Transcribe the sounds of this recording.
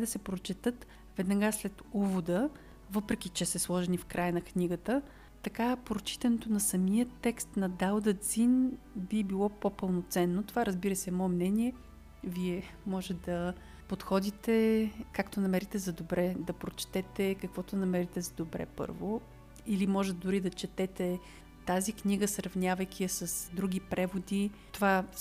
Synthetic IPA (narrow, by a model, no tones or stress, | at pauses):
d̪ɐsɛpɾot͡ʃɛt̪ɤt̪ | vɛd̪nɐɡaslɛt̪uvod̪ə | vɤpɾɛk̟it͡ʃɛsɛslˠɔʒɛnifkɾʔajənɐkniɡət̪ə | t̪ɐkapɾot͡ʃi̥t̪ɛnot̪onɐsɐmijət̪ːɛkst̪nɐd̪alˠd̪ət̪zinbibilˠɔpopəlˠnot̪sɛnːot̪ovaɾɐzbiɾəsɛmɔɛmnɛniɛ | viɛmɔʒɛd̪ɐ | pot̪xɔd̪it̪ɛkakt̪onɐmɛɾit̪ɛzɐd̪obɾɛd̪ɐpɾot͡ʃt̪ɛt̪ɛkɐkvɔt̪onɐmɛɾit̪ɛzɐd̪obɾɛ̰pɤ̰ɾvo | ilimɔʒɛt̪ɛd̪ʊɾid̪ɐt͡ʃɛt̪ɛt̪ɛ | t̪azikniɡəsɾɐvnʲavɐjkʲiəsɐsd̪ɾuɡʲipɾʔɛvod̪it̪ova